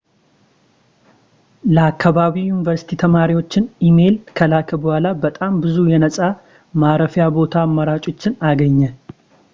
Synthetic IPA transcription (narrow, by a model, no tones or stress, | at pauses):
ləakːaβaβijunivəɾsi̥t̪ʰit̪ʰəmaɾiwo̞t͡ʃːɪnime̞lkʰəlakʰəbəhalabət̪ʼambɨzujɛnəsʼa | maɾəfjabo̞t̪ʰamːaɾat͡ʃʼo̞t͡ʃːɪnaɡəɲːɛ